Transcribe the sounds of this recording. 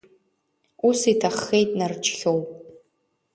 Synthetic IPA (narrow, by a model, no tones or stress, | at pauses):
usitʰaχːe̞jtʼnart͡ʃʰʼχʲowpʼ